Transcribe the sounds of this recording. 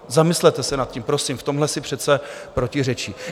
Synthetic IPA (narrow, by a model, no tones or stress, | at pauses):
zamɪslɛt̪ɛsɛnat̪̚cimpɾo̞simft̪o̞mɦlɛsɪpr̥ɛt̪t͡sɛpɾocɪrɛt͡ʃi